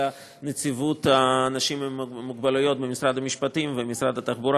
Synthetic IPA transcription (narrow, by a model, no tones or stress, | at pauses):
a | net͡sivut̪aːnaʃimemːuɡbalʊjot̪̚bemisɾad̪amiʃpat̪imvemisɾad̪at̪aχbuɾa